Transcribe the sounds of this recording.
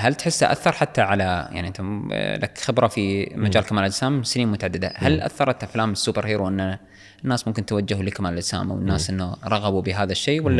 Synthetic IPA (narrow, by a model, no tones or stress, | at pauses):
halt̪ħɪsːaʔa̰θːɑɾˤħat̪ːaʕalaja̰ʕniʔɪnt̪ala̰kxɪbɾafimad͡ʒaːlkamaːld͡ʒsaːmsɪniːnmʊt̪aʕad̪ːɪd̪a̰halʔa̰θːɑɾˤʔɑt̪ːaflaːmɪsːuːbɪɾheːɾuwʔɪnːa | nːaːsmʊmkɪnt̪wad͡ʒːahulikamaːld͡ʒsa̰ːma̰wɪnːaːsʔɪnːoɾˤɑɣɑbubɪɦaːðaʃːeːwalːa